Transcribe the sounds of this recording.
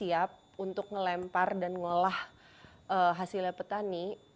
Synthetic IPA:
iap̚unt̪ʊk̚ŋəlɛmpardanŋolah | ʔəɦasilapət̪ani

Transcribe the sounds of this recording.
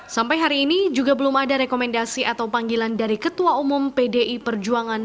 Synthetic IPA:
sampajɦaɾiːnid͡ʒuɡabəlumadaɾekomɛndasiʔat̪awpaŋɡilandaɾikət̪uaumʊmpedeʔipərd͡ʒuaŋan

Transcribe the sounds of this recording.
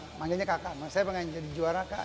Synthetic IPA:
maŋɡaɲakakamasajapaŋad͡ʒadid͡ʒuaɾaka

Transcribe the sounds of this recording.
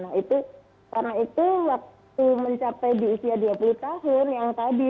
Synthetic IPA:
nait̪u | karnait̪uwak̚t̪uməɲt͡ʃapajdiusiaduapulut̪aɦʊnjaŋt̪adi

